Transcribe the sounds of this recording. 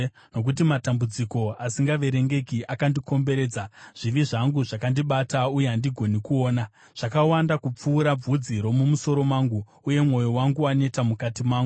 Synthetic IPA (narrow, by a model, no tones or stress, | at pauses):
no̞k̬ut̬imatambud͡ziko̞asiŋɡaʋe̞ɾe̞ŋɡe̞kiʔakandiko̞mbe̞ɾe̞ːd͡zaʐ̥iʋiʐaŋɡuʐakandiɓataujeɦandiɡʱo̞nikuo̞ːna | ʐ̥akawandakup͡fuːɾab͡vud͡ziɾo̞mumuso̞ɾo̞maːŋɡu | uje̞mŋo̞jo̞waŋɡuane̞tamukatimaːŋɡu